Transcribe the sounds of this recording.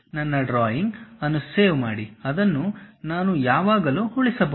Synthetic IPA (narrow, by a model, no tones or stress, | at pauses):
nɐnːɐɖɾaːjiŋɡɐnːuseːʋmaːɽiɐd̪ɐnːunaːnujaːʋaːɡɐluːhuɭisɐbɐ